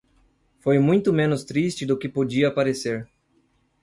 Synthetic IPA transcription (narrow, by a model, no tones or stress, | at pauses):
fojmũj̃t̪ʊmẽnʊst̪ɾist͡ʃɪd̪ʊkɪpod͡ʒiɐpaɾeseɾ